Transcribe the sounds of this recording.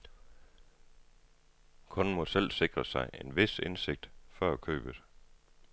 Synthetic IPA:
kʰɔ̽nmɒ̽sel̰se̝ɡ̥ʁɐsɑ̈ɪʔe̝nʋe̝se̝nse̝ɡ̥̚d̥fɶɐ̰ækʰø̰ːb̥ə̥

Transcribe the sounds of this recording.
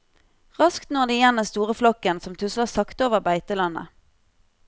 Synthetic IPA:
ʁɑskt̪nɔʁd̪eːjɛnəst̪uːʁəflɔkənsɔmt̪ʰʉsləʁsɑkt̪oːʋəʁbæɪt̪əlɑnə̰

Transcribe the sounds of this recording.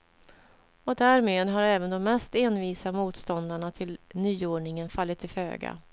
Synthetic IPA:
ɔd̪æɾmeːd̪ɦaɾɛːvənd̪ɔmːɛst̪eːnviːsamuːt̪st̪ɔnd̪aɳat̪ʰɪlnyːoːɳɪŋənfalːɪt̪ʰːɪlfø̰ːɡa̰

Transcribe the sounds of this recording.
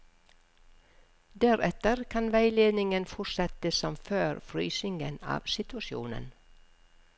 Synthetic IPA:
d̪æɾɛt̪əɾkʰɑnʋæɪleːd̪nɪŋənfʊʈsɛt̪əsɔmføːɾfɾy̰ːsɪŋə̰nɑ̰ːʋsɪt̪ʉɑʃjṵːnə̰n

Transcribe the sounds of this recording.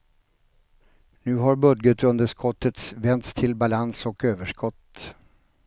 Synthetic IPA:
nʉ̟ːɦaɾbɵd̪ɡət̪ɵnd̪əʂkʰɔt̪ːət̪svɛnt̪st̪ʰɪlbalansɔkøːvəʂkɔt̪ː

